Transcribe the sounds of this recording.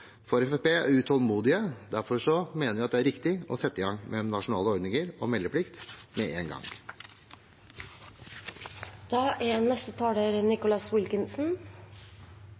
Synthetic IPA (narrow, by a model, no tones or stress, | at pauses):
fɔɾɛfɛpeːæ̰ɾʉt̪ʰɔlmuːd̪ɪəd̪æɾfɔɾʂɔmeːnəɾʋɪɑt̪d̪ɛæɾɪkt̪ɪɔ̰sɛt̪ːəɪɡɑŋmʔɛnɑʂʊnɑːləɔɾɖ̪nɪŋəɾɔmɛlːəpʰlɪkt̪mɛʔeːnɡɑ̰ŋ | d̪̥ɑːʔænɛst̪ət̪ʰɑːɽəɾənɪkʊlɑswɪlkɪnsn̩